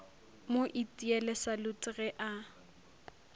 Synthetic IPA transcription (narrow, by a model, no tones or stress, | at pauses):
moʔitʼiɛlɛsalʊt͡sʼɪɣɛʔa